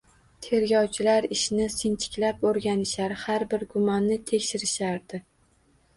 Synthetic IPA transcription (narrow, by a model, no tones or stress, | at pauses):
t̪ʰe̞ɾɡʲɒwt͡ʃʰɪlaɾɪʃnɪsɪnt͡ʃʰɪ̥kʲlapoɾɡʲanɪʃaɾhaɾbɪɾɡʊmɒnːɪt̪ʰe̞kʲʃɪɾɪʃaɾd̪̥ɪ